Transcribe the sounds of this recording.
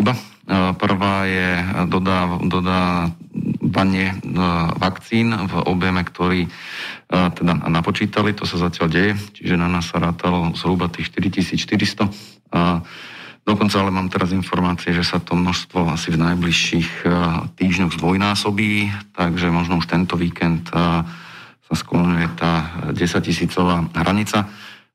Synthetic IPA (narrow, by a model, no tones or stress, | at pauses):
iba | pr̩ʋaːjɛd̪ɔd̪ad̪ɔd̪aː | ʋaɲɪɛ | ʋakt͡siːnvɔ̰bjɛmɛkt̪ɔɾiː | t̪ɛd̪anapɔt͡ʃiːt̪alit̪ɔsazacɪalɟɛjɛt͡ʃiʒɛnanaːsːaɾaːt̪alɔzɦɾubat̪iːxʃt̪iɾicisiːt͡sʃt̪iɾist̪ɔ | d̪̥ɔkɔnt͡saalɛmaːmt̪ɛɾazinfɔɾmaːt͡siɛʒɛsat̪ɔmnɔʃst̪ʋɔasivnajbliʃixt̪iːʒɲɔɣzd̪ʋɔjnaːsɔbiːt̪aɡʒɛmɔʒnɔuʃt̪ɛnt̪ɔʋiːkɛnt̪ | sasklɔɲujɛt̪aːɟɛsac̚cisiːt͡sɔʋaːɦɾaɲit͡sa